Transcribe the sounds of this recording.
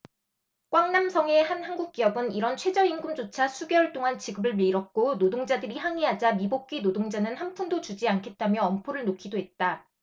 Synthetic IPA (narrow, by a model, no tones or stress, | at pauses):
kwaŋnamsʰʌŋe̞hanhanɡuk̚k͈iʌbɯniɾʌnt͡ɕʰwe̞d͡ʑʌinɡumd͡ʑot͡ɕʰasʰuɡeɭt͈oŋant͡ɕiɡɯbɯɭmiɾʌk̚k͈onodoŋd͡ʑadɯɾiɦaŋiɦad͡ʑamibok̚k͈inodoŋd͡ʑanɯnhampʰundot͡ɕud͡ʑiankʰe̞t̚t͈amjʌːmpʰoɾɯɭnokʰidoɦe̞t̚t͈a